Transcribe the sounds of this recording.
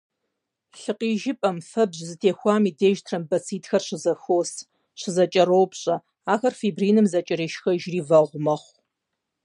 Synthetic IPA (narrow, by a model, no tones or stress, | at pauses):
ɬɨqiːʒɪpʼɐmfɐbʑzɨtʰeːxʷaːmiːdeːʒtʰrɐmbɐt͡sʰiːtxɐrɕɪzɐxoːs | ɕɪzɐt͡ʃʼɐɾowpɕʼɐ | aːxɐrfiːbriːnɨmzɐt͡ʃʼɐɾiːʃxɐʒriːvɐʁʷʊmɐχʷ